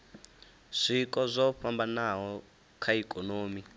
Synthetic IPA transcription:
ʂikʼɔzʷɔɸambanaɦɔ | kʰaikʼɔnoːmi

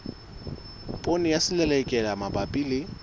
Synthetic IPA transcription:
pʼonɪjasɪlɛlɛkʼɛlamabapʼilɪ

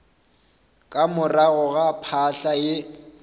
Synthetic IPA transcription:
kʼamʊraɣʊɣapʰaɬaɪ

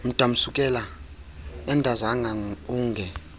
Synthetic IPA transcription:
m̩d̥ʱam̩sukʼɛla | ɛndʱazaŋauːŋɡʱɛ

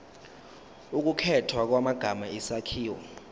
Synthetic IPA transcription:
uk̬ʼukʰɛtʰwak̬wamaɡ̥ʱamaisakʰiːwɔ̰

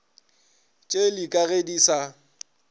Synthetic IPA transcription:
t͡ʃʼelikʼaɣedisa

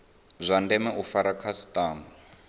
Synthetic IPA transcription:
zʷandɛmɛʔufaɾakʰasi̥tʼaːma

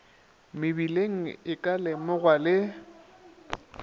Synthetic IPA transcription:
mɪbileŋ̩ɪkʼalɪmʊɣwalɪ

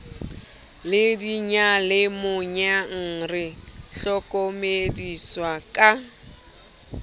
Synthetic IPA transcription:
lɪdiɲalɪmʊɲaŋ̩ːrɪɬɔkʼomediswakʼa

